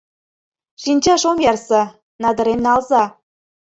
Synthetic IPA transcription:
ʃinʲt͡ɕɑʃomjɑrsɤ̆ | nɑd̪ə̆ɾemnɑlzɑ

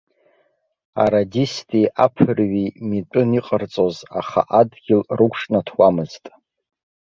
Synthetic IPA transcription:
a̰ɾadistʰʼiʔapʰɨrɥimitʷʼɨniqʼərt͡sʼozaχa̰ʔadɡʲɪlrɨkʷʰʂnatʰwamɨztʼ

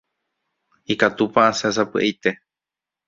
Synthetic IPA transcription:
ikat̪upaasas̬apɨʔejt̪e̞

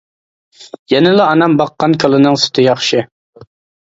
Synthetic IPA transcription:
jɛnɪlˠɨɑnɑmbɑqːɑnkʰɑlˠɨnɨŋsʊ̥t̪ʰɨjɑχʃɪ

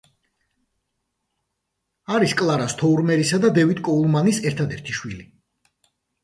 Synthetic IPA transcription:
aɾiskʼlˠaɾast̪ʰɔuɾmɛɾisad̪ad̪ɛvit̪ʼkʼɔulˠmanisɛɾt̪ʰad̪ɛɾt̪ʰiʃwili

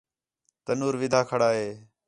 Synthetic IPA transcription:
t̪ənuːɾʋɪd̪ʱaːkʰəɽaːɦeː

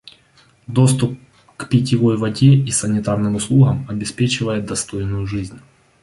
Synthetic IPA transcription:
d̪o̞st̪ʊp̚ | kpʲɪtʲɪvo̞jvɐdʲeisənʲɪt̪arnɨmʊslˠuɣəmɐbʲɪspʲet͡ɕɪvəjɪd̪ɐst̪o̞jnʊjʊʐɨzʲnʲ

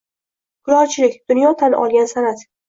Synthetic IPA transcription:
ɡ̥ʊɾɒɾt͡ʃʰɪlɪkʲd̪̥ʊnjɒt̪ʰanʔɒ̰lˠɡʲansanat̪

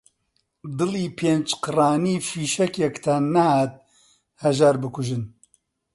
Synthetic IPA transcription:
d̪ɨliːpʰeːnt͡ʃqɨraːniːfiːʃɛkjɛkt̪ʰanahaːt̪̚ | hɐʒaːɾbɨkʰʊʒɨn

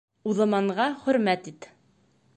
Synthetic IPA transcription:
uðɤ̆mɑɴʁɑχɵ̆ɾmæt̪it̪

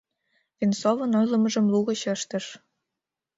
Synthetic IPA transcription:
vʲensovɤ̆nɤ̆jlˠɤ̆mɤ̆ʒɤ̆mlˠuɣɤ̆ɕɤ̆ʃt̪ɤ̆ʃ

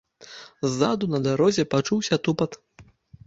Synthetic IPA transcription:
zːad̪unɐd̪aɾɔzʲɛpat͡ʂuwsʲɐt̪upɐt̪

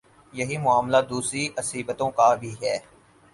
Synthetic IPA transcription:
jɐɦimʊaːmlad̪uːsɾiʔɐsiːbət̪õkabʱiɦɛː

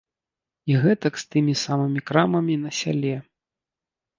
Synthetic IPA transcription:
iɣɛt̪ɐkst̪ɨmʲisamɨmʲikɾamɐmʲinɐsʲa̰lʲɛ

